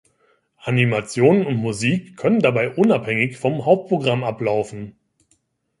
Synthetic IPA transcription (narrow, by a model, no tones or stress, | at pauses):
ʔanimat͡sjoːnənʊntmuziːkʰːœnəndabaɪʔʊnaphɛŋɪçfɔmɦaʊp̚t̚pʰʁ̥oɡʁamʔaplaʊfn̩